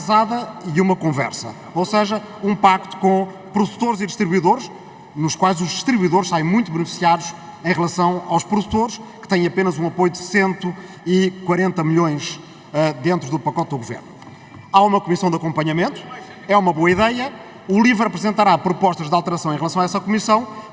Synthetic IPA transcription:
zaðɐiumɐkõvɛ̰ɾsɐ̰ | oseʒɐũpak̚t̪u̥kõ | pɾuðut̪oɾziðɨʃt̪ɾiβwiðoɾʃ | nuʃkwajzuʒd̪ɨʃt̪ɾiβuiðoɾʃsaẽmũj̃t̪uβɨnɨfi̥siaðuʃ | ẽj̃ʁlˠɐsɐ̃w̃awʃpɾuðut̪oɾʃkɨ̥t̪ɐ̃j̃ɐpenɐzũɐpojuðɨsẽnt̪u | ikwɐɾẽnt̪ɐmɨʎõj̃ʃ | ɛd̪ẽnt̪ɾuðupɐkɔt̪̚d̪uɣuvḛɾnu | aumɐkumisɐ̃w̃d̪ɐkõmpɐɲɐmẽnt̪u̥ | ɛumɐβoɐiðɛjɐ | ulˠivɛɾɐpɾɨzẽnt̪ɐɾapɾupɔʃt̪ɐʒðalˠt̪ɨɾɐsɐ̃w̃ẽj̃ʁlˠɐsɐ̃w̃aɛsɐkumisɐ̃w̃

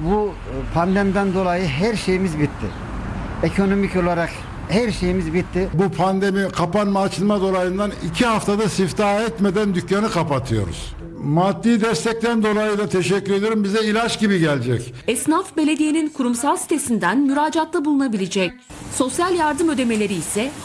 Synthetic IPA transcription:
bu | pʰand̪ɛmd̪ænd̪o̞lˠajɯɦæɾʃejimizbit̪ʰːɪ̰ | ekʰo̞nomico̞lˠaɾak | hæɾʃejimizbit̪ʰːɪbupʰand̪emikʰapanmaːt͡ʃʰɯlˠmad̪o̞lˠajɯnd̪anicʰihaft̪ʰad̪asift̪ʰaːɛt̪med̪ænd̪ycjanɯkʰapat̪ʰɯjo̞̰ɾṵz̥ | mad̪ːiːd̪ɛst̪ʰɛc̚t̪ʰænd̪o̞lˠajɯd̪at̪ʰeʃɛcːyɾed̪ijoɾumbizɛilʲat͡ʃɟibiɟɛlʲd͡ʒɛcɛsnafbe̞lʲe̞d̪ijeninkʰuɾumsalˠsi̥t̪ʰe̞sind̪ænmyɾaːd͡ʒat̪lˠabulˠunabilʲed͡ʒɛc̚ | so̞sjalʲjaɾd̪ɯmø̞d̪e̞me̞lʲe̞ɾiːsɛ

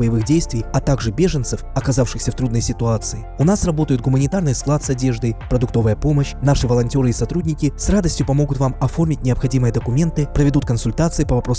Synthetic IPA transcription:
bəjɪvɨxdʲejst̪vʲɪjɐt̪aɡʐɨbʲe̞ʐənt̪sɨfɐkɐzafʂɨxsʲəft̪ɾud̪nəjsʲɪt̪ʊat̪sɨɪʊnasrɐbo̞t̪əjʊt̪̚ɡʊmənʲɪt̪arnɨjsklˠat̪sɐdʲe̞ʐd̪ɨjpɾəd̪ʊk̚t̪o̞vəjəpo̞məɕnaʂɨvəlˠɐnʲtʲo̞ɾɨɪsɐt̪ɾudʲnʲɪkʲɪsrad̪əsʲtʲjʊpɐmo̞ɡʊt̪vamɐfo̞rmʲɪtʲnʲɪɐpxɐdʲimɨjəd̪əkʊmʲe̞nt̪ɨpɾəvʲɪd̪ut̪̚kənsʊlʲt̪at̪sɨɪpəvɐpɾo̞s

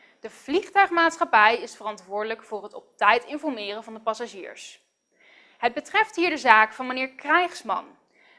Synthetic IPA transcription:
d̥əv̥liχtœɥχmaːtsχɑpɛjɪsfərɑntʋʊːɹdələkfʊːrɦətɔp̚tɛjtɪnfɔɹmɪːrənvɑndəpɑsaʒḭːɹs | ɦəd̚bətrɛftɦiːɹdəzaːkfɑnmənɪːɹkrɛjχsmɑ̰n

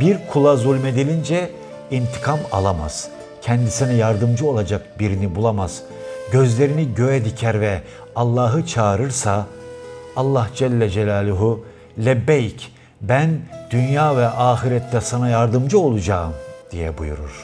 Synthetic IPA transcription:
biɾkʰulˠazulʲme̞d̪ilʲind͡ʒɛ | int̪ʰi̥kʰama̰lˠama̰z̥ | cʰɛnd̪isinɛjaɾd̪ɯmd͡ʒɯo̞lˠad͡ʒak̚biɾinibulˠamaz̥ | ɟø̞zlʲe̞ɾiniɟø̞jɛd̪icʰæɾvɛ | alˠːaːɦɯt͡ʃʰaːɾɯɾsaː | lˠːahd͡ʒɛlʲːɛd͡ʒɛlʲaːlʲˠuɦu | lʲɛbɛjc | bænd̪̥ynjaːvɛʔaːxiɾɛt̪ʰːɛsanajaɾd̪ɯmd͡ʒɯo̞lˠud͡ʒaːɯmd̪̥ijɛ̰bṵjṵɾṵɾ̥

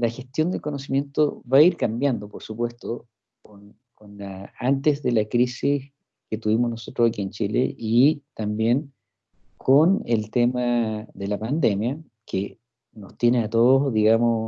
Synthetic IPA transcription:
laxest̪jond̪elkonosimje̞nt̪o̰βaiɾkambjand̪opoɾsupwe̞st̪o | kon | konlaant̪ezðe̞lakɾisis | ket̪uβimonosot̪ɾosakient͡ʃilḛʔit̪ambje̞n | kʰonelt̪emaðe̞lapand̪e̞mja | ke | no̞st̪jeneat̪oðoðiɣamo

